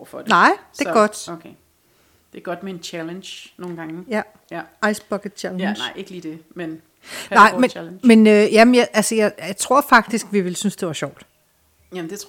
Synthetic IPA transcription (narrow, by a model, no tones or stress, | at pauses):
fɒd̥nɑɪ̰̥e̝ɡ̥ɒ̽d̥okʰe | d̥e̝ɡ̥ɒ̽d̥meent͡ɕʰælənɕno̝ːn̩ɡ̥ɑ̈ŋəjæ | ʔɑ̈ɪsb̥ɒ̽ɡ̥ə̥t͡ɕʰælənɑɪeɡ̥əliːd̥e̝men | nɑ̈ɪ̰melnmenøːjæmnjɑɪʔælsəjɑ̈ɪt͡sʰʁo̝ɐ̰fɑ̈ɡ̥̚d̥isɡ̥ʋiʋelsynsd̥e̝ʋɑ̈ɕɒʊ̰d̥ | æmnd̥et͡sʰ